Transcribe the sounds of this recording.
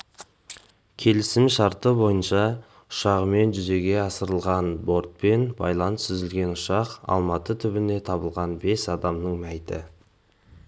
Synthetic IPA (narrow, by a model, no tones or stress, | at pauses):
kʲʰe̞lɪsɪmʃɑɾt̪əbo̞jənʃɑ | ʊ̥ʃɑʁəme̞nʒʏze̞ɡʲe̞ɑsəɾəlˠʁɑnbo̞ɾt̪̚pe̞nbɑ̰jlˠɑnəsʏzɪlɡʲe̞nʊʃɑqɑ̰lˠmɑt̪ət̪ʰʏbɪne̞t̪ʰɑbəlˠʁɑnbe̞sɑd̪ɑmnəɴmæjt̪ɪ̰